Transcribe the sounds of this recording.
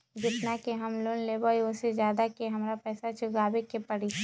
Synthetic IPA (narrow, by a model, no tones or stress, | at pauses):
d͡ʒɪt̪nakeɦɐmloːnleːbɔːiʊsezjaːd̪akeɦɐmɾapɛːsat͡ʃʊɡaːbekepɐɽi